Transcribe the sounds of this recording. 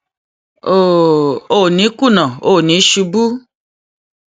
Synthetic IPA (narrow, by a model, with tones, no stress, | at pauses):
o˦˨o˦˨nĩ˨˦ku˦˨nã˨o˦˨nĩ˨˦ʃu˧bu˦